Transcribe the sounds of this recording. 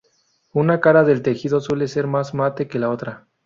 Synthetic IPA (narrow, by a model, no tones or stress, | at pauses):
unakaɾaðe̞lt̪e̞xiðo̞swe̞lese̞ɾmazmat̪e̞ke̞lao̞t̪ɾa